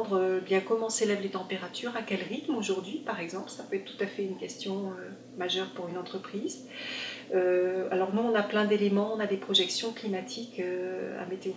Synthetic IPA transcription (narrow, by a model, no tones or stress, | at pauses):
d̪ʁøbjɛ̃kɔmɑ̃selɛvlet̪ɑ̃peʁat̪yʁakʲɛlʁit̪moʒuʁd̪ɥipaʁɛɡzɑ̃plsapøɛt̪χt̪u̥t̪afɛynkʲɛst̪jɔ̃ø | maʒœʁpuʁynɑ̃t̪χəpχiz | øa̰lɔʁnuɔ̃naplɛ̃d̪elemɑ̃ɔ̃nad̪epχɔʒɛksjɔ̃klimat̪ʰikøa̰met̪eo